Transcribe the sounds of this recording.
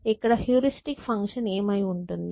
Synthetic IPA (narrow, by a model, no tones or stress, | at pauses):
ekːɐɽahjuːɾisʈikfʰɐŋkʂɐneːmɐjuɳʈund̪i